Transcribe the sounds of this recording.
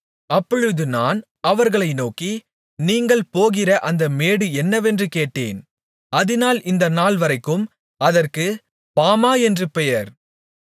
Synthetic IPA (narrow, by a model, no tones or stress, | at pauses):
ɐpːɔɻɯðɯnaːn | ɐʋɐɾɣɐɭɐɪnoːki | niːŋɡɐɭpoːɣɪrɐʔɐnd̪ɐmeːɽɯɛnːɐʋɛndrɯkeːʈːḛːn | ɐðɪnaːlʔɪnd̪ɐnaːlʋɐɾɐɪkːɯm | ɐðɐrkɯ | paːmaːɛndrɯpɛjɐɾ